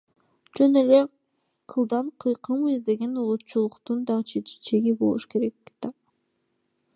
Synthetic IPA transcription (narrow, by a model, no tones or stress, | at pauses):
d͡ʒønele | qʰɯlˠd̪ɑɴqʰɯjqʰɯmizd̪e̞ɡe̞nulˠut̪t͡ʃulˠuqt̪und̪ɑʁɯt͡ʃʰet͡ʃeɡibo̞̰lˠuʃke̞ɾekːt̪ɑ